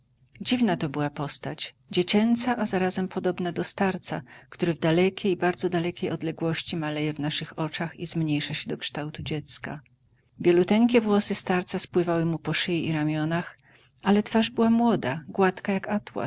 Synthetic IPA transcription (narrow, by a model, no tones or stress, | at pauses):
d͡ʑivnat̪ɔbɘwapɔst̪at͡ɕ | d͡ʑet͡ɕɛnt̪saʔazaɾazɛmpʰɔd̪ɔbnad̪ɔst̪aɾt̪sa̰kt̪uɾɘvd̪alɛkʲejbaɾd̪zɔd̪alɛkʲejɔd̪lɛɡwɔɕt͡ɕimalɛjɛvnaʂɘxɔt͡ʂaxizmɲejʂaɕɛd̪ɔkʂt̪awt̪ud͡ʑɛt̪ska | vʲjɛlut̪ɛŋkʲɛvwɔsɘst̪aɾt̪saspwɘvawɘmupɔʂɘjiʔiɾamʲjɔnax | alɛt̪faʐbɘwamwɔd̪aɡwat̪kajakat̪wa̰